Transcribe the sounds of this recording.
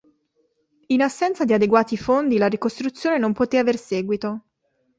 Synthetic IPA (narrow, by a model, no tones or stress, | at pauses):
inasːɛnt̪sad̪iad̪eɡwaːt̪ifond̪ilaɾikost̪ɾut̪sːjoːnenompot̪eaverseːɡwit̪o